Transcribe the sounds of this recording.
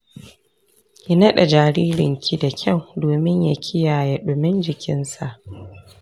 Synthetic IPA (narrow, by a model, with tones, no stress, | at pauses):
ji˦nɐ˦ɗɛ˨d͡ʒaː˨ɾiː˦ɾɪ̰˨ŋkʲi˦da˨kʲʰa˦˨wdoː˨mɪ˦ɲja˨kʲʰɪ˦jaː˨ja˦ɗʊ˨mɪ˦nd͡ʒɪ˨kʲɪ˦nsa˨ʔ